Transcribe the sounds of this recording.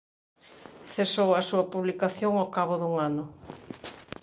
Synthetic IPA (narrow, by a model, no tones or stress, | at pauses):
θesowɐsuɐpuβlikaθjoŋawkaβʊðuŋanʊ